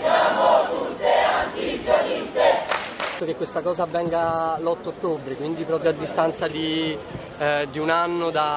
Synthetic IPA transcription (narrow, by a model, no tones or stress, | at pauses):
sjamot̪ut̪ːeant̪isjonist̪eat̪ːokekːwest̪akɔːzaːvːɛŋɡalɔt̪ːoot̪ːobɾekwind̪ipɾɔːpɾjoad̪ːist̪ant̪sad̪i | d̪iunanːod̪a